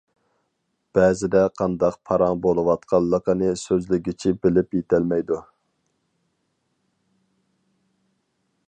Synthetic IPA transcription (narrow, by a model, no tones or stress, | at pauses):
b̥ɛzɪd̪ɛqʰɑnd̪ɑq̚pʰɑɾɑŋbolˠɨwɑt̪qʰɑlˠːəqənɨsøzlɪɡʲit͡ʃʰibɪlɪpjet̪ʰælmɛjd̪u